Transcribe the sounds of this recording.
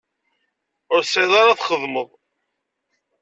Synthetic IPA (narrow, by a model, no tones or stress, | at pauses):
ʊɾsʕɪðˤaɾaθχəðˤməðˤ